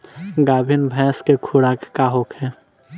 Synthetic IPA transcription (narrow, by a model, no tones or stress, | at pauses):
ɡaːbʱɪnbʱɛ̃ːskekʰuɽaːkkaɦoːkʰɦɛː